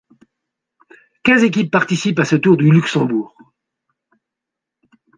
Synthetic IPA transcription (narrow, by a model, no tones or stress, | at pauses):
kʲɛ̃zek̬ʲipːaʁt̪isipasət̪uʁd̪ylyksɑ̃buːʁ